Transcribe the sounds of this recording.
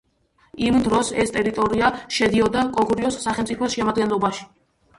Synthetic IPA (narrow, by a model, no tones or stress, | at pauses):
imd̪ɾɔsɛst̪ʼɛɾit̪ʼɔɾiaʃɛd̪iɔd̪akʼɔɡʼuɾiɔsːaχɛlmt̪sʼipʰɔsʃɛmad̪ɡɛnlˠɔbaʃi̥